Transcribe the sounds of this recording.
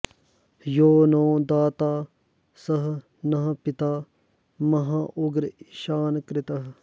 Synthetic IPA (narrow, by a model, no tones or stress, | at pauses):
joːnõːd̪aːt̪aː | sɐɦ | nɐɦɐpɪt̪aː | mɐɦãʔʊɡɾʃaːnkɾɪt̪ɐɦ